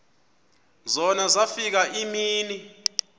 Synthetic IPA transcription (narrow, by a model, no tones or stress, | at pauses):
zɔnazafik̬aʔimiːni